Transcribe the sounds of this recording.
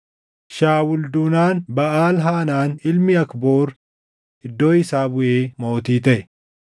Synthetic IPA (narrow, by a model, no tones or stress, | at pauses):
ʃaːwʊld̪uːnaːnbɐʔaːlɦaːnaːnɪlmɪɐkbo̞ːɾ | ʔɪd̪ːo̞ːɪsaːbʊʔeːmo̞ːt̪iːt̪ɐʔɛ